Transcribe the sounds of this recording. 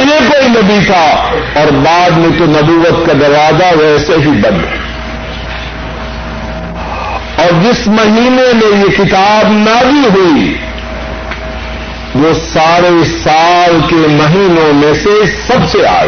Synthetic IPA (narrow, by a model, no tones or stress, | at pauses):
nẽkoːinɐbit̪ʰaɔːɾbaːd̪mẽt̪onɐbuːʋət̪kad̪ɐɾʋaːzaʋɛːseɦibɐ̃nd̪ɦɛ | ɔːɾd͡ʒɪsmɐɦiːnemẽjekɪt̪aːbnabʱiɦui | ʋosaːɾesaːlkemɐɦiːnõmẽsesɐbsea̰ː